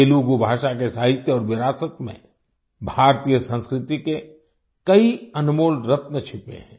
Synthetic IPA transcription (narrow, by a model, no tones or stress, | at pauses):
eːluɡubʱaːʃak̬esaːɦɪt̪jəɔːɾʋɪɾaːsət̪mḛ̃ | bʱaːɾt̪iːjəsə̃nskɾɪt̪ike | kɐiɐnʊmuːlɾɐp̪nət͡ʃʰɪpḛ̃ɦɛ̰̃ː